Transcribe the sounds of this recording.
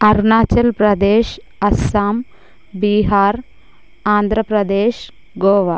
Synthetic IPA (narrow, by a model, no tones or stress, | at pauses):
ɐɾnaːt͡ʃɐlpɾɐd̪eːʃ | ɐsaːm | biːɦaːɾ | aːnd̪ʱɾɐpɾɐd̪eːʃ | ɡoːʋa